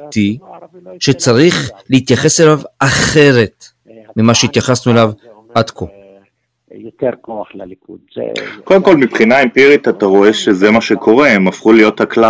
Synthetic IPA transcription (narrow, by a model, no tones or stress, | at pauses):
ti | ʃet͡saʁiχleit̪jaχe̞selavaχe̞ʁe̞t | mimaʃeit̪jaχasnuelav | ad̪kʰo | jot̪eʁkoaχlalikṵd̪zḛkodemko̞lmipχinaempiʁit̪at̪aʁo̞e̞ʃezemaʃekʰo̞ʁe̞emafχulijo̞thakla